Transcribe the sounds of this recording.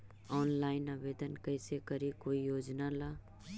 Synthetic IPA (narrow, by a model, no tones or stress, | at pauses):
ɔːnlaːɪnaːʋeːd̪ənkəɪsekəɾikoːijoːd͡ʒnalaː